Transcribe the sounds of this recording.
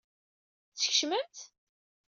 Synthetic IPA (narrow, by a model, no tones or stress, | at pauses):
θəçʃməmt̪